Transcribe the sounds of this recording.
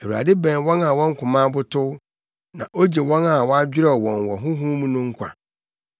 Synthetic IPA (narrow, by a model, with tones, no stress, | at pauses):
e˨wu˨a̰˨dɪ˦bɛ̃˨n˦wɔ̃˦na˨wɔ̃˦ŋ̩˦kʰʊ̃˨mã˦bʊ˦tʰʊ˦ | nã̰˨ʔo˦d͡ʑe˨wɔ̃˦na˨wɔ˦a˦d͡ʑᶣɪ˦ɾɛ˦˨wɔ̃˨n˨wɔ˨ɦʊ̃˦ɦũː˦mũ˦nʊ̃˦ŋ̩˦kʰʷa̰˨